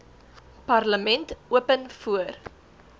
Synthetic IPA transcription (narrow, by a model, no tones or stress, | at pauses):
pɐrləmɛntuəpənfuər